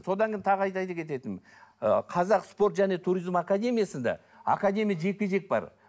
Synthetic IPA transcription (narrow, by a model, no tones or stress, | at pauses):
so̞d̪ɑŋɡʲʰej̪nt̪ʰɑʁəɑjt̪ɑj̪ɑkʲʰe̞t̪e̞t̪ɪn̰ | qʰɑzɑqspo̞ɾt̪ʒæne̞t̪ʰuɾizmakad̪ʲe̞mʲijasənd̪ɑ̰ | a̰kad̪ʲe̞mʲijaʒe̞kʲeʒe̞k̚bɑ̰ɾ